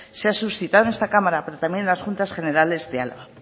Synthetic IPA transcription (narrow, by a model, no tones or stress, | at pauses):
seasusθit̪aðnest̪akamaɾape̞ɾot̪amje̞nlasxunt̪asχe̞ne̞ɾale̞zd̪ea̰lβa